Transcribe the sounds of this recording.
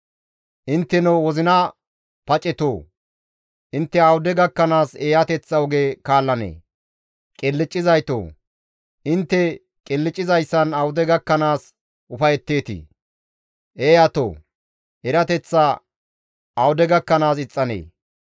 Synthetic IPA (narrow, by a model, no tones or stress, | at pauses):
ʔɪnt̪ːɛnowɔzɪnɐ | pɐt͡ʃʼɛt̪oː | ʔɪnt̪ːɛɐwʊd̪ɛɡɐkːɐnaːseːjɐt̪ɛt͡sːɐɔɡeːkaːlːɐnḛː | kʼɪlːɪt͡ʃʼːɪzɐjt̪o̰ː | ʔɪnt̪ːɛ | kʼɪlːɪt͡ʃʼːɪzɐjsːɐnɐwʊd̪ɛɡɐkːɐnaːs | ʔʊfɐjɛt̪ːe̞ːt̪ɪ̰ | ʔeːjɐt̪o̰ː | ʔɛɾɐt̪ɛt͡sːa | ɐwʊd̪ɛɡɐkːɐnaːs̬ɪt͡sʼːɐnḛː